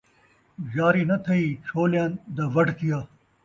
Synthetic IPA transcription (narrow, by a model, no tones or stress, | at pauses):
ʒaːɾinɐt̪ʰɐiʈ͡ʂʰoːljaːnd̪ɐʋɐʈt̪ʰijaː